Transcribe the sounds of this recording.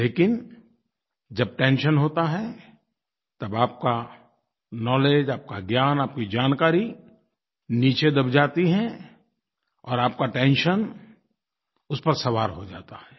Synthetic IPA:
leːkɪn | d͡ʒɐb̚ʈɛ̃ːnʃənɦoːt̪aɦɛ | t̪ɐbaːp̚ka | nɔːleːd͡ʒaːp̚kaɡjaːnaːp̚kid͡ʒaːnkaːɾi | niːt͡ʃed̪ɐbd͡ʒaːt̪iɦɛ | ɔːɾaːp̚kaʈɛ̃ːnʃən | ʊspɐɾsɐʋaːɾɦod͡ʒaːt̪aɦɛː

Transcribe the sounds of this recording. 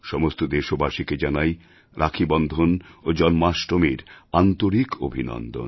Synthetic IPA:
ʃɔmost̪od̪eʃobaʃiked͡ʑanaj | ɾʔakʰibɔnd̪ʱonod͡ʑɔnmaʃʈomiɾant̪oɾiko̰bʱinɔ̰nd̪o̰n

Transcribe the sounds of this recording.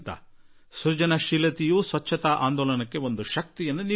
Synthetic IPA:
t̪ɐ̰ | suɾd͡ʒɐnɐʃiːlɐt̪ijuːsʋɐt͡ʃʰːɐt̪aːʔa̰ːnd̪ɔːlɐnɐkːe̞ʋond̪uʃɐk̚t̪ijɐnːuni

